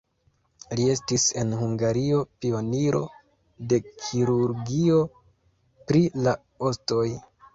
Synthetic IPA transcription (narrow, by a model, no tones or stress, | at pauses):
lie̞stise̞̰nɦuŋɡaɾio̞pio̞niɾʔo̞̰ | de̞kʰiɾuɾɡio̞ | pɾila | osto̞j